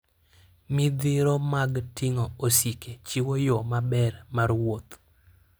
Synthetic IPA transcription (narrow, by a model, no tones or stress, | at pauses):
mid̪iɾomaɡtiŋoosiket͡ʃiwojomabɛrmarwot̪